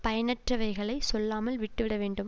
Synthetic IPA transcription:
pɐjɐnɐʈrɐʋɐɪɣɐɭɐɪsɔlːaːmɐlʋɪʈːɯʋɪɽɐʋeːɳɖɯm

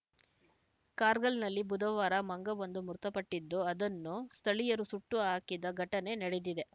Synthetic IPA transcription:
kaːɾɡɐɭnɐlːibud̪ɐʋaːɾɐmɐŋɡɐʋond̪umuɾt̪ɐpɐʈːid̪ːuɐd̪ɐnːust̪ʰɐɭijɐɾusuʈːuɦaːkid̪ɐɡʱɐʈɐne̞nɐɽed̪id̪e̞

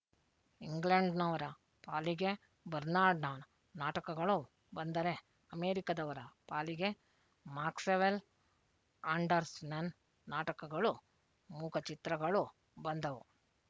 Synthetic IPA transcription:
iŋɡleɳɖnɐʋɐɾɐ | paːliɡe̞ | bɐɾnaːɾɖnɐ | naːʈɐkɐɡɐɭu | bɐnd̪ɐɾe | ɐmeːɾikɐd̪ɐʋɐɾɐpaːliɡe̞ | maːkseʋel | aːɳɖɐɾsnɐn | naːʈɐkɐɡɐɭu | muːkʰɐt͡ʃit̪ɾɐɡɐɭu | bɐnd̪ɐʋu

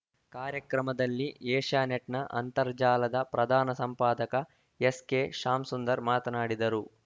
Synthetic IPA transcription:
kaːɾjɐkɾɐmɐd̪ɐlːieːʂaːneʈnɐʔɐ̰nt̪ɐɾd͡ʒaːlɐd̪ɐpɾɐd̪ʱaːnɐsɐmpaːd̪ɐkɐ | eskeːʃaːmsund̪ɐɾmaːt̪ɐnaːɽid̪ɐɾu

